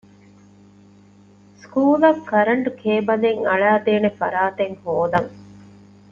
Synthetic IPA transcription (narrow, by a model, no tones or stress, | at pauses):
skuːlɐkːɐɾɐɳɖukʰeːbɐleŋɐɭæːt̪eːnefɐ̰ɾaːt̪eŋhoːd̪ɐŋ